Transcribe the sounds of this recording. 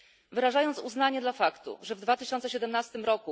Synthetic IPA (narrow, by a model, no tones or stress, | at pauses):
vɘɾaʐajɔnt̪suznaɲɛd̪lafakt̪ṵʐɛvd̪vat̪ɘɕɔnt̪sɛɕɛd̪ɛmnast̪ɘmɾɔku